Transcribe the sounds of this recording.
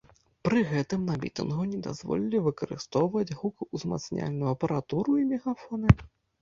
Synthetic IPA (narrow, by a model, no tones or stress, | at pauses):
pɾɨɣɛt̪ɨmnɐmʲḭt̪ɨ̰nɣunʲɛd̪a̰zvɔ̰lʲilʲivɨkɐɾɨ̰st̪ɔwvɐd͡zʲɣukuzma̰t̪snʲa̰lʲnujɐpɐɾat̪uɾuimʲɛɣafɔnɨ